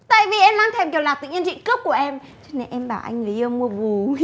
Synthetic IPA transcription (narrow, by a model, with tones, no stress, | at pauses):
t̪a̰ː˧˨jvi˨˩ʔɛ˧mlaː˧˦ŋt̪ʰɛ˧˩mki˨˩wlaː˨˩t̪ɨ̰˧˨ŋɲə˧nt͡ɕḭ˧˨kɨ˦˥p̚ku˧˩əʔɛ˧m | t͡ɕɔ˧ne˧nʔɛ˧mɓaː˧˩ʔa̰˧jŋŋɨ˨˩zəː˧mu˧əvu˨˩